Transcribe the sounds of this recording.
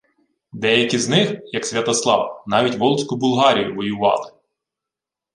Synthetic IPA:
d̪ɛjɐkʲiznɪxjɐksʲʋʲɐt̪ɔslˠɑ̰ʋɐnɑʋʲitʲʋɔlˠsʲkʊbʊlˠɦɑɾʲijʊʋɔjʊʋɑ̰lˠɪ

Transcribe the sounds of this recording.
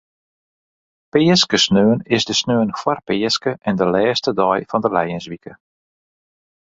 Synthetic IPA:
pɪːskəsnøːənɪsdəsnøːənkwarpɪːskəʔɛndəlɛːstədɔjfɔndəlɛjənsʋikə

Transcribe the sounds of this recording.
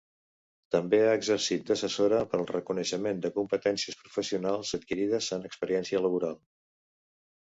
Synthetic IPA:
t̪əmbeaəɡzəɾsit̪̚d̪əsəsoɾəpəlˠrəkunəʃəmend̪əkumpət̪ɛnsiəspɾufəsiunalˠzət̪̚kiɾið̞əzənəkspəɾiɛnsiələβ̞uɾalˠ

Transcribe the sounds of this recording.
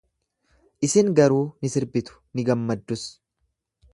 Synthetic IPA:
ʔɪsɪŋɡɐɾuːnɪsɪɾbɪt̪ʊ̥nɪɡɐmːɐd̪ːʊs

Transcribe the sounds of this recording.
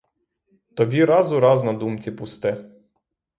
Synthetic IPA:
t̪ɔbʲiɾɑzʊɾɑznɐd̪umt͡sʲipʊst̪ɪ

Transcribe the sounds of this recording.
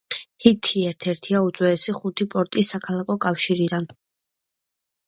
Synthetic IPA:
hit̪ʰiɛɾt̪ʰɛɾt̪ʰiaut̪sʼwɛːsiχut̪ʰipʼɔɾt̪ʼisːakʰalˠakʰɔkʼafʃiɾid̪an

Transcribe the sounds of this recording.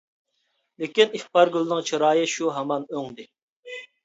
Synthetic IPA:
lɪkʲiniχpɑɾɡʲylˠnɪŋt͡ʃʰiɾɑːjɨʃuɦɑmɑnøŋd̪ɪ

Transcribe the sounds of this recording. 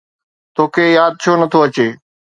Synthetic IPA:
t̪ʰoːkʰeːjaːd̪̚t͡ʃʰoːnət̪ʰoɐt͡ɕeː

